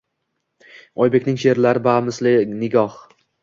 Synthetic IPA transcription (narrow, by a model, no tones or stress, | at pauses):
ɒjbe̞kʲnɪŋʃe̞ɾlaɾɪbamɪslɪnɪɡʲɒh